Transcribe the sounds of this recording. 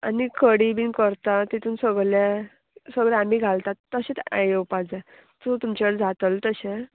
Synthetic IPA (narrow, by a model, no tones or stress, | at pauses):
anikʰəɽibiːnkəɾt̪at̪it̪ʰuːnsəɡle | səɡɭɛ̃amiːɡʱalt̪at̪ːəɕẽt̪ajewpad͡za | t̪ut̪umt͡ɕaəɽd͡zat̪əlt̪əɕẽ